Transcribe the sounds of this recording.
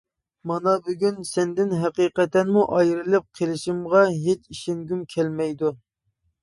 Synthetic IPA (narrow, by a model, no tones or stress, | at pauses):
mɑnɑbyɡʲynsɛnd̪ɪnɦɛqiːqɛt̪ːɛnmuʔɑjɾɨlˠɨp̚qʰelˠɪʃimʁɑɦet͡ʃiʃeŋɡʲymkʲʰɛlmɛjd̪u